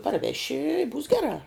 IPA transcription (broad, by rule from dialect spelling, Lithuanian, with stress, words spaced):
pɐrʲˈʋʲæːʃʲɪ ɪ buːs ˈɡʲæːrɑː